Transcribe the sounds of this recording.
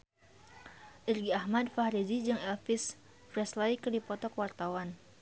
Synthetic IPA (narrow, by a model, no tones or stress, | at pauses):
ʔirɡiahmadfahɾid͡ʒid͡ʒɨŋɛlfis | fɾɛslaikərdipɔt̪ɔkwart̪awan